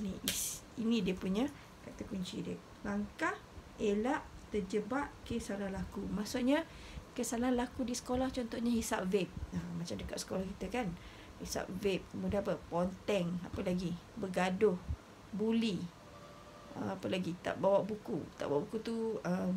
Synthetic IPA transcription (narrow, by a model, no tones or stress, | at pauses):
ini | inĩdiəpuɲã | kat̪əkuɲt͡ʃidəʔ̚ | laŋkah | elaʔt̪əd͡ʒəbaʔ̚kəsalahlakumasuʔ̚ɲa | kəsalahlakudisə̥kolaht͡ʃɔnt̪ɔʔɲahisap̚vep̚əmat͡ʃamdəka̰ʔ̪sə̥kolahkit̪əkan | hisa̰p̚vep̚kəmudanapəpont̪ɛŋapəlaɡibəɡadʊh | buli | ə̰apəlaɡit̪a̰ʔbawaʔbukṵt̪a̰ʔbaaʔbukut̪uəm